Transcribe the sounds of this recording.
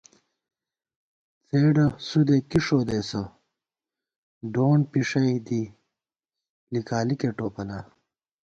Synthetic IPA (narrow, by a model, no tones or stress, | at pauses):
t͡seːɖɐsud̪ekiʂoːd̪esɐ | ɖoːɳpiʂɐjd̪i | likaːlikeʈoːpɐla